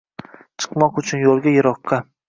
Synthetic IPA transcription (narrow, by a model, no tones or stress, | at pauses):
t͡ʃʰɨ̥qmɒqʊt͡ʃʰʊnjolˠɡʲajɪɾɒqːɑ